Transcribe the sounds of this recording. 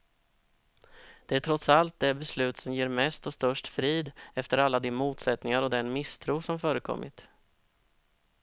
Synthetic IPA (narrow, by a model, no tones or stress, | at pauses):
d̪̥ɛæʈʰɾɔt̪salt̪̚d̪ɛæbɛslʉ̟ːt̪sɔmjeːɾmɛst̪ɔst̪œʂʈfɾiːd̪ɛft̪əɾalːad̪ɪnmuːt̪sɛt̪nɪŋaɾɔd̪ɛnmɪst̪ʰɾuːsɔmfœːɾəkʰɔ̰mːʔɪ̰t̪